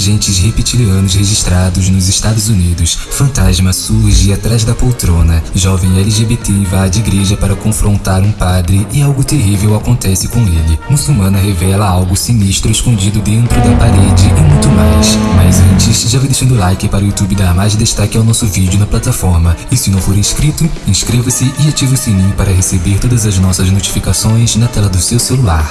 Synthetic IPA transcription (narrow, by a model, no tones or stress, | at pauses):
ʒẽnt͡ʃɪshepit͡ʃiliɐ̃nʊzheʒiʃt̪ɾad̪ʊznʊzɪʃt̪ad̪ʊzunid̪ʊsfɐ̃nt̪aʒmɐsuhʒɪat̪ɾazd̪ɐpowt̪ɾõnɐʒɔvẽj̃ɛliʒebet̪evad͡ʒɪiɡɾeʒɐpaɾɐkõfɾõnt̪aɾũpad̪ɾɪɪawɡʊt̪eɦivewakõnt̪ɛsɪkõelɪmusumɐ̃nɐɦevɛlɐawɡʊsiniʃt̪ɾʊeskõnd͡ʒid̪ʊd̪ẽnt̪ɾʊd̪ɐpaɾed͡ʒɪɪmũj̃t̪ʊmajjsmajzɐ̃nt͡ʃɪsʒavãjd̪eʃɐ̃nd̪ʊlajkɪpaɾʊjut̪ubɪd̪ɐːmaʒɐd̪eʃt̪akɪawnɔsʊvid͡ʒɪʊnɐplat̪afɔɾmɐɪsɪnɐ̃w̃foɾeskɾit̪ʊĩʃkɾevɐsɪʔɪat͡ʃivɐsimĩpaɾɐɦesebeɾt̪od̪ɐzɐznɔsɐznot͡ʃi̥fikasõj̃znɐt̪ɛlɐd̪ʊsewselulaɾ